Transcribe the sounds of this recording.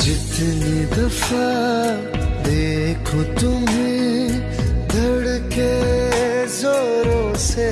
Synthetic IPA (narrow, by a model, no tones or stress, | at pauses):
d͡ʒɪt̪nid̪ɐfa | d̪eː | kʰot̪ʊmẽ | d̪ʱɐɽke | zoɾo | se